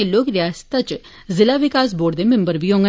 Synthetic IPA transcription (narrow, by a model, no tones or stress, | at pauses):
eloːkɾɪjaːst̪aːt͡ʃ | zɪlaːʋɪkaːs̬boːɖd̪eːmɪ̃mbəɾʋiːɦõːŋɡə